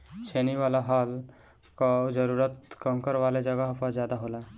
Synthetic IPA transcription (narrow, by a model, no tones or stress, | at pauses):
t͡ʃʰeniʋalaɦal | kɔd͡ʒəɾuɾət̪kəŋkəɾʋaled͡ʒəɡəɦpəɾd͡ʒjad̪aɦola